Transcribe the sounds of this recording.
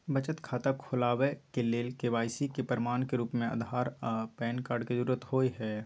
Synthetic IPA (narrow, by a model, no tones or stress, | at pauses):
bət͡ʃət̪kʰaːt̪akʰolaːwekeleːlkeʋaːjsikepəɾɪmaːnkeɾuːpmẽə̰d̪ʱaːɾpɛːnkaːɾɖkezəɾuɾət̪hoːiɦɛː